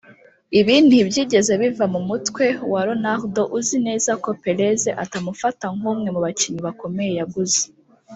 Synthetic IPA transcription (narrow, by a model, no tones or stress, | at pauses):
iβiːnibjiːɟe̞ze̞βivamumutwe̞waɾo̞naɾdo̞ʔuzine̞ːzako̞pe̞ɾe̞ze̞ʔatamufataŋ̥umŋe̞muβaciɲiβako̞me̞je̞jaɡuze̥